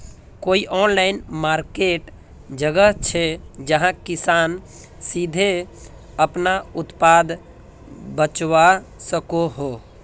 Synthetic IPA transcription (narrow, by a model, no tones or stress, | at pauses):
koiʔɔnlaɪnmaɾkeʈ | d͡ʒəɡəɦt͡ʃʰɛd͡ʒəɦãkisan | sid̪ʱe | əpnaʊt̪pad̪ | bət͡ʃʋasəkoɦo